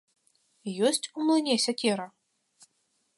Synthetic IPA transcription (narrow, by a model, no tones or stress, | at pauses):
jɔsʲt͡sʲumlˠɨnʲɛsʲɐkʲɛɾɐ